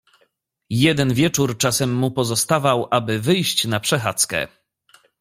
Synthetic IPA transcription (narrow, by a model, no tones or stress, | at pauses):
jɛd̪ɛnvʲjɛt͡ʂuɾt͡ʂasɛmːupɔzɔst̪avawʔabɘvɘjɕt͡ɕnapʂɛxat̪skɛ̰